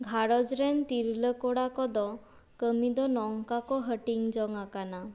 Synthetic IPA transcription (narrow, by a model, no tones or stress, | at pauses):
ɡʱaɾɔd͡ʒɾɛnt̪iɾləkɔɽakɔd̪ɔ | kəmid̪ɔnɔŋkakɔɦəʈiŋd͡ʒɔŋakana